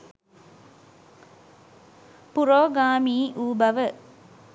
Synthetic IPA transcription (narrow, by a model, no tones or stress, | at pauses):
puɾoːɡaːmiːʔuːbɐʋə